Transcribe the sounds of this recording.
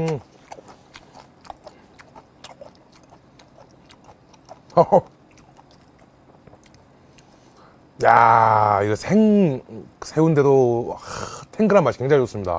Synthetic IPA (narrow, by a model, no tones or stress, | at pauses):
jaiɡesʰeŋ | sʰe̞unde̞doatʰeŋɡɯɾamːaɕʰi̥keŋd͡ʑʰaɲid͡ʑos͈ɯmɲida̰